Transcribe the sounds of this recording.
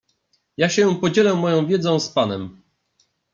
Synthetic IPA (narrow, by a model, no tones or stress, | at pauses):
jaɕɛ̃pɔd͡ʑɛlɛmːɔjɔ̃w̃vʲjɛd̪zɔ̃w̃spanɛm